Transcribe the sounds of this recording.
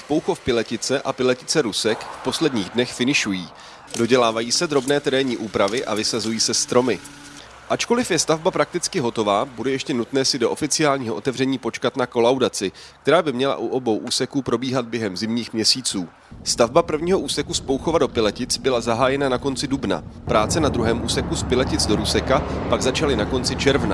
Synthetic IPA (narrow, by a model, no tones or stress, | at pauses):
spo̞wxo̞fpɪlɛcɪt͡sɛʔapɪlɛcɪt͡sɛɾusɛkfpo̞slɛdɲiːɣdnɛxfɪnɪʃujiː | do̞ɟɛlaːvajiːsɛd̪ɾo̞bnɛːt̪ɛɾɛːɲiːʔuːpɾavɪʔa̰vɪsazujiːsɛst̪ɾo̞mɪ | ʔat͡ʃko̞lɪfjɛst̪avbapɾak̚t̪ɪt͡skɪɦo̞t̪o̞vaːbudɛjɛʃcɛnut̪nɛːsɪdo̞ʔo̞fɪt͡sɪaːlɲiːɦo̞ʔo̞t̪ɛvr̝ɛɲiːpo̞t͡ʃkat̪nako̞lawdat͡sɪk̚t̪ɛɾaːbɪmɲɛla̰ʔuʔo̞bo̞wʔuːsɛkuːpɾo̞biːɦad̪̚bjɛɦɛmzɪmɲiːxmɲɛsiːt͡suː | st̪avbapr̩vɲiːɦo̞ʔuːsɛkuspo̞wxo̞vado̞pɪlɛcɪt͡sbɪlazaɦaːjɛnanako̞nt͡sɪdubna̰pɾaːt͡sɛnad̪ɾuɦɛːmʔuːsɛkuspɪlɛcɪt͡sdo̞ɾuːsɛkapaɡzat͡ʃalɪnako̞nt͡sɪt͡ʃɛɾvna̰